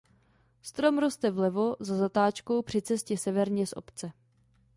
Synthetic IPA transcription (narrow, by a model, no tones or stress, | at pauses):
st̪ɾo̞mɾo̞st̪ɛvlɛvo̞zazat̪aːt͡ʃko̞wpr̝̥ɪt͡sɛscɛsɛvɛɾɲɛsʔo̞̰pt͡sɛ